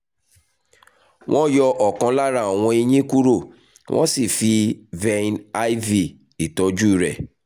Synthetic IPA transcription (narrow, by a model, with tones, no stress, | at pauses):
w̃ʔɔ̃˦jɔ˧ʔɔ˨kã˧la˦ɾa˧˨a˨w̃ɔ̃˧i˧ɲĩ˦ku˦ɾo˦˨ | wʔɔ̰̃˦si˦˨fi˧vɛ˧˦na˦i˦vi˦˨ | i˨tɔ˨˦d͡ʒu˦i˦˨ɾɛ̰˨